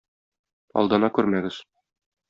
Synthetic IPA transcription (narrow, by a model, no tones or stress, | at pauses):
ɒ̰lˠd̪ɤ̆nɑkʉɾmæɡɘz̥